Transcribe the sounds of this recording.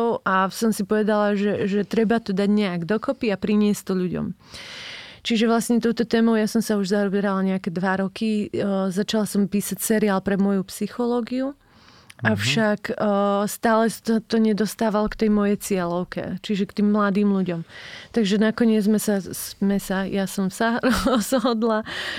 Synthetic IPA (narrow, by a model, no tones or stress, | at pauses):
ʊʔasɔmsipɔʋɛd̪alaʒɛʒɛt̪ɾɛbat̪ɔd̪aɟɲɛaɡd̪ɔkɔpiapɾiɲɪɛst̪ɔʎuɟɔ̰m | t͡ʃiʒɛʋlasɲɛt̪ɔʊt̪ɔt̪ɛːmɔʊjasɔmsauʒzaɔbɛɾalaɲɛakɛd̪ʋaɾɔkizat͡ʃalasɔmpiːsacsɛɾiaːlpɾɛmɔjupsixɔlɔːɡiu | ʔafʃakːst̪aːlɛssat̪ɔɲɛd̪ɔst̪aːʋalɔkt̪ɛjmɔjɛjt͡sɪɛlɔʊkɛ̰t͡ʃiʒɛkt̪iːmːlad̪iːmʎuɟɔmt̪aɡʒɛnakɔɲɪɛd͡zzmɛsazmɛsajasɔmsaɾɔzɦɦɔd̪la